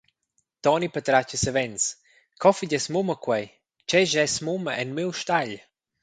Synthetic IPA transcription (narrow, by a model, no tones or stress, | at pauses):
t̪ɔnipət̪ɾat͡ʃəsəvɛns | kʰɔfiɟɛsmuməkwɛj | t͡ʃɛʒɛsmuməʔɛnmiwʃt̪aʎ